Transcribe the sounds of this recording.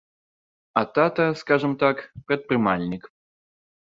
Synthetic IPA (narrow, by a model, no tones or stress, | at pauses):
ɐt̪at̪ɐskaʐɨmt̪akpɾɛt̪̚pɾɨmalʲnʲik